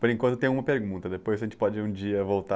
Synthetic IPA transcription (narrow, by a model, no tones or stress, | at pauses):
poɾẽŋkwɐ̃t̪ʊt̪ẽjʊ̃umɐpeɾɡũnt̪ɐd̪epojzɐʒẽnt͡ʃɪ̥pɔd͡ʒɪũd͡ʒiɐvowt̪a